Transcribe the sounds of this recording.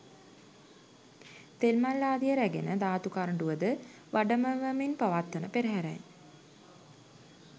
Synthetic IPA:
t̪elmalːaːd̪ijəɾæɡenəd̪aːt̪ukaɾɳɖuʋəd̪ə | ʋʔaɖəməʋəminpaʋat̪ːənəpeɾəɦæɾɛ̰j

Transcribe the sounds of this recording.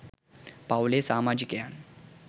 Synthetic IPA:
pawlesaːmad͡ʑikjaɳ

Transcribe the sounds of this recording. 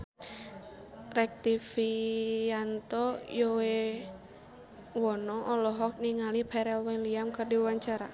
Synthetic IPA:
rɛk̚t̪ifiant̪ɔjɔwe | wɔnɔʔːlɔɦɔk̚niŋalipʰɛɾɛlwɛliamkɨrdiwwaɲt͡ʃaɾa̰

